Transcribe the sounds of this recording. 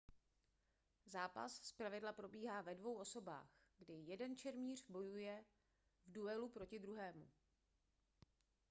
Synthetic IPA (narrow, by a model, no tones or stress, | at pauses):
zaːpa̰sspɾavɪdlapɾo̞biːɦaːvɛdvo̞wʔo̞so̞ba̰ːxɡdɪjɛdɛnt͡ʃɛɾmiːr̝bo̞jujɛ | vduɛlupɾo̞cɪd̪ɾuɦɛːmṵ